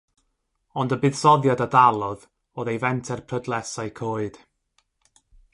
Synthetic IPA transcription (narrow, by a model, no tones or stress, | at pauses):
ɔndəbɨðsɔðjadadalˠɔð | oːðejvɛntʰɛrpʰrədlˠɛsaɨkʰoːɨd̥